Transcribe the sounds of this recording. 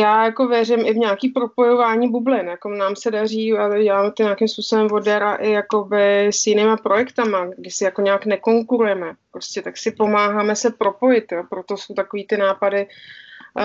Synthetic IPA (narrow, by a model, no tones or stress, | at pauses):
jaːjako̞vjɛrɪmʔɪvɲaːkiːpɾo̞po̞jo̞vaːɲiːbublɪnjako̞naːmsɛdariːaɟɛlaːmɛt̪oɲeakɪmspuːsobɛmvo̞dɛɾaʔɪjako̞bɪsjɪnɪːmapɾo̞jɛkt̪amaɡdɪsɪjako̞ɲaːknɛko̞ŋkuɾujɛmɛpɾo̞scɛt̪aksɪpo̞maːɦaːmɛsɛpɾo̞po̞jɪt̪jopɾo̞t̪o̞so̞wt̪akoviːt̪ɪnaːpadɪ